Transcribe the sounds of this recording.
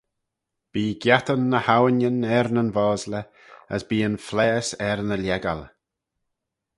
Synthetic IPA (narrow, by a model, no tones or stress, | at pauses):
b̥iːɡjat̪ənːəhawənənɛɾnənvɔːzlə | ə̰sbiːənflɛːsɛɾnəljɛɡa̰l